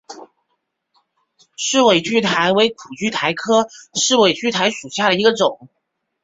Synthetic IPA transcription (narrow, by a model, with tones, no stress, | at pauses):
ʂɻ̩˥˩we˥˩ɪt͡ɕy˥˩t̪ʰa˧˥ɪwe˧˥ɪkʰu˨˩t͡ɕy˥˩t̪ʰa˧˥ɪkʰɤ˥ʂɻ̩˥˩we˨˩ɪt͡ɕy˥˩t̪ʰa˧˥ɪʂu˨˩ɕja˥˩ɾə˩i˧˥ɡə˧ʈ͡ʂʊ˨˩˦ŋ